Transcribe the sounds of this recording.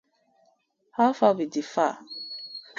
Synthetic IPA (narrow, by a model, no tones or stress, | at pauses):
hafabidifa